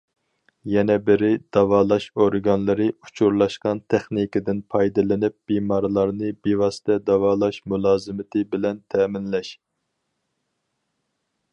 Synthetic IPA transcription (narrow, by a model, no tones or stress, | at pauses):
jɛnɛbɪɾɪd̪̥ɑwɑːlˠɑʃoɾɡɑnlˠɨɾɨu̥t͡ʃʰuɾlˠɑʃqɑnt̪ʰɛχnikʲɪd̪ɪnpʰɑjd̪ɨlˠɨnɪp̚bimɑɾlˠɑɾnɨbewɑsɪ̥t̪ʰɛd̪ɑwɑːlˠɑʃmulˠɑːzɨmɪt̪ʰɪbɪlɛnt̪ʰɛːmɪnlɛʃ